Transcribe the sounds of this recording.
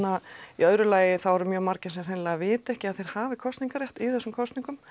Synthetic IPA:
aiœðɾʏlaːjɪθawvɔɾʏmjœːmaɾcɪnsɛmr̥hɛnlaɣavɪːt̪ɛhcɪaðθejɾ̥haːvɪkʰɔst̪iŋkaɾrjɛht̪iθɛsːʏmkʰɔst̪niŋkʏm

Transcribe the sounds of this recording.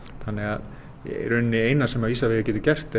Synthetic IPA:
θanːɪɣað | ɛ̰ɾʏnːɪejnasɛmaviːsaveːɣacɛːt̪ʏ̥cɛr̥t̪ɪ

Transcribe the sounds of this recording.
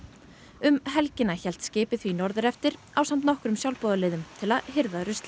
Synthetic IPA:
ʏmɦɛlcɪnaçɛl̥t̪scɪːpɪθvinɔɾðʏɾɛft̪ɪɾ | awsamt̪nɔhkɾʏmsjawlpɔːðalɪːðʏmt̪ʰɪlaðhɪɾðaɾʏst̪lɪ

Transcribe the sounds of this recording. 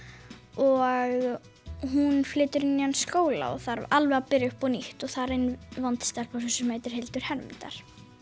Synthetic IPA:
ɔɣ | ɦunflɪːt̪ʏɾɪnːianskoːwla̰ɔ̰θaɾalvɛapɪɾjʏhpɔniht̪ɔθaɾɪnːvɔnt̪ɪ̥st̪alpawsɛsʏmeːjt̪ɪɾ̥hejlt̪ʏɾ̥hɛɾmɪ̰nt̪a̰ɾ̥

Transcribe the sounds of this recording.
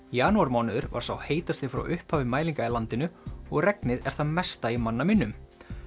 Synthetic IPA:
jaːnuaɾmaːwnɪðʏɾva̰ɾ̥sawheːjt̪ast̪θɪfɾa̰wʔʏhphaːvɪmaːjliŋkailant̪ɪnʏɔɣrɛknɪðɛɾ̥θaðmɛst̪aimanːamɪnːʏm

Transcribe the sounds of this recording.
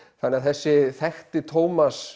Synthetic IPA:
θanɛaðθɛsːɪθɛxt̪ɪt̪ʰoːwmas

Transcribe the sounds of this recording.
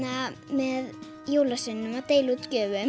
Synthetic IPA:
amɛð | joːwlasɪnːʏmawt̪eːjlut̪cœːvʏm

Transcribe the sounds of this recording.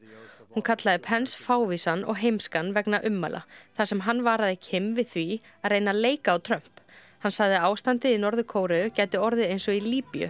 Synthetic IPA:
hunkʰat̪laðɪpʰɛnsfaːwvisanɔ̰ɣɦejmskanvɛknaʔʏmːa̰lʔa̰θasɛmɦanːvaːɾaðɪcʰɪmvɪðθvi | aðrejnaleːjkaːwt̪ʰɾœm̥p | hanːsaɣðɪaːwst̪ant̪ɪinɔɾðʏkʰoːwɾɪʏcaːjt̪ɪɔɾðɪejnsɔiliːpiʏ̰

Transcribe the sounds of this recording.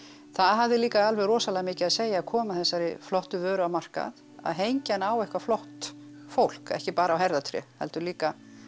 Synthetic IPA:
θaðɦavðɪliːkaalvɛɣrɔːsalɛɣamɪːcɪaðseːjaːkʰɔːmaθɛsːaɾɪflɔht̪ʏvœːɾʏawmar̥ka̰ð | a̰ðɦejɲcanawɛhkvaflɔwht̪ | fowl̥kɛ̰hcɪpaːɾawɦɛɾðat̪ʰɾjɛ̰hɛ̰lt̪ʏɾliːka

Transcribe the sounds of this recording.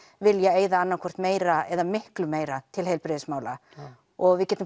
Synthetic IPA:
vɪljɛeːjðaanːakʰɔr̥t̪meːjɾaɛðamɪhklʏmeːjɾat̪ʰɪlɦejlpɾɪðɪsmaːwla̰ | ɔɣvɪðcɛːt̪ʏm

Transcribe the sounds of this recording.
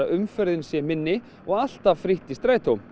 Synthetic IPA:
aʔʏmfœɾðɪnsjɛmɪnːɪ | ɔɣal̥t̪avfɾɪht̪ɪst̪ɾaːjt̪ʰowm

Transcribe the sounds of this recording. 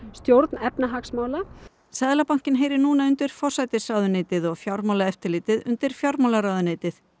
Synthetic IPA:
st̪jowɾt̪nɛpnaɦaksmaːwla | saðlapawŋ̥cɪnɦeːjɾɪɾnuːnaʏnt̪ɪɾ̥fɔr̥sajt̪ɪsawðʏnɪːt̪ɪðɔɣfjawɾmawlaɛft̪ɪɾlɪːt̪ɪðʏ̰nt̪ɪɾ̥fjawɾmawlaɾawðʏnɪːt̪ɪθ

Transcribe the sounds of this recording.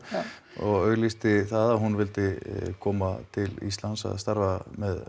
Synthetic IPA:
ɔɣœɣlist̪ɪθaðaɦunvɪlt̪ɪkʰɔːmat̪ʰɪlḭst̪lansa̰ðst̪aɾvamɛð

